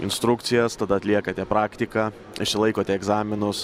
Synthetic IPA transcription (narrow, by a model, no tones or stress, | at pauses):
ɪnst̪ɾʊkt̪sʲɪjɛst̪ɐd̪ɐɐt̪ʲlʲiɛkɐt̪ʲɛpɾɑːkt̪ʲɪkɑː | ɪʃʲsʲɪlˠɐɪkoːt̪ʲɛɛɡzɑːmʲɪnʊs